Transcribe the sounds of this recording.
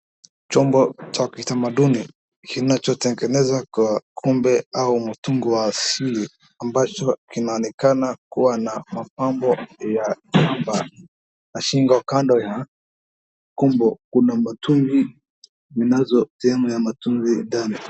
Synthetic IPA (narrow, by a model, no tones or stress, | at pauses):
t͡ʃɔmbɔt͡ʃakitamaɗuni | kinat͡ʃɔtɛŋɡɛnɛzwakakʰumbɛaumutuŋɡiwaːsili | ambat͡ʃɔkinaɔnɛkanakuwanamapambɔjakamba | naʃiŋɡakandɔja | kumbɔkunamatuŋɡi | minazɔtiamujamatuŋzindani